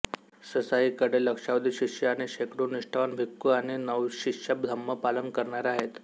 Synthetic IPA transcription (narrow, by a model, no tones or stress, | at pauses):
səsaɦiːkəɽeləkʂaʋəd̪ʱiɕiʂəaɽ̃iɕekɾuːnːiʂʈʰaʋanbʱikːuaɽ̃inəʋɕikʂjap̚d̪ʱəmːəpalənkəɾɳaɾaaɦet̪